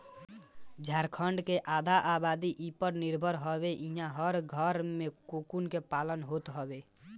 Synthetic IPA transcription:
d͡ʒʱaɾkʰəɳɖkeʔad̪ʱaʔabad̪iʔipəɾniɾbʱəɾɦəbeʔĩɦãɦəɾɡʱəɾmekukunkepalənɦot̪ɦəbe

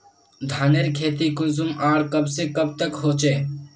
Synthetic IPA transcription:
d̪ʱaːneɾkʰeːt̪ikunzumaːɽkəbsẽkəb̚t̪əkɦot͡ʃe

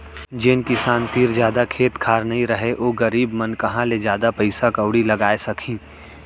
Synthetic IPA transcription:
d͡ʒɪnkɪsaːnt̪iːɾzjaːd̪akʰeːt̪kʰaːɾnɐĩɾɐɦeʔoːɡɐɾiːbmɐnkɐɦãled͡ʒjaːd̪apɐɪsakɐʊɽilɐɡaːesɐkʰĩː

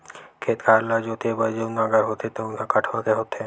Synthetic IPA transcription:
kʰeːt̪kʰaɾlɔd͡ʒot̪ebəjd͡ʒenaɡəɾɦot̪ʰet̪onakəʈʰʋakeɦot̪ʰe

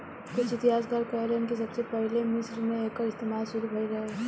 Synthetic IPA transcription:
kʊt͡ʃɪt̪iɦaːsɡaːɾkɔɦɾẽnkisɐbsepɐɦlemɪsɾmẽeːkəɾɪst̪eːmaːlsʊɾubʱɐiɾɐɦe

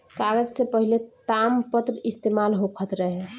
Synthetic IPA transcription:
kaɡəd͡ʒsẽpəɦilet̪ampət̪ɾəist̪emalɦokʰət̪ɾəɦe

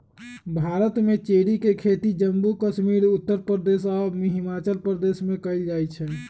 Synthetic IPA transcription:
bʱaɾət̪met͡ʃeɽikekʰet̪id͡ʒəmbukəʃmiɾut̪ːəɾpɾəd̪esɔmiɦimat͡ʃəlpɾəd̪esmekəjld͡ʒajt͡ʃʰɛ

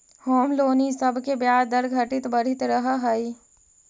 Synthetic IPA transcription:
hoːmloːnisɐbʱkebjaːɾd̪ɐɾɡʱɐʈɪt̪bɐɽ̤ɪt̪ɾɐɦaɦɐi

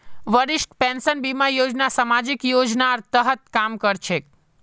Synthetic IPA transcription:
ʋəɾɪʃʈpɛnsənbimajod͡ʒnasamad͡ʒikjod͡ʒnaɾt̪əɦət̪̚kamkəɾt͡ʃʰe

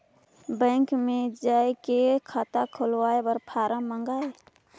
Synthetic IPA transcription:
bə̃ːŋkmẽd͡ʒaːekekʰaːt̪akʰolwaːebəɾpʰaːɾəmə̃ŋɡaːe

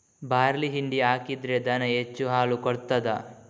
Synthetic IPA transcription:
baːɾliɦiɳɖiaːkid̪ɾed̪ɐnɐet͡ʃːuɦaːlukɔɽt̪ːɐd̪ɐ

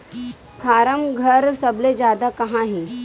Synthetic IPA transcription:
fʰaɾəmɡʱəɾsəbled͡ʑad̪akəɦãɦi

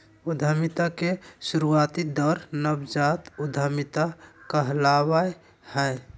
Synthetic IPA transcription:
ʊd̪ʱamit̪akesuɾuaːt̪id̪ɔɾnəbd͡ʒat̪ʊd̪ʱəmit̪akəɦlawae | hɛ

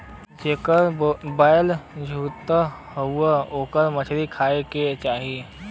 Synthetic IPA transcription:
d͡ʒeːkəɾbaːjld͡ʒʱuːt̪əhəuəoːkəɾmət͡ʃʰɾikʰaːeket͡ʃaːɦi

